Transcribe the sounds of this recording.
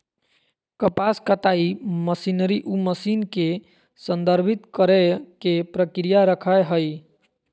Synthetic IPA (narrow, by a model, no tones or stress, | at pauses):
kəpaskət̪aiməsinəɾiʔuməsinke | sənd̪əɾbʱit̪kəɾɛkepɾəkɾijaɾəkʰəɦəj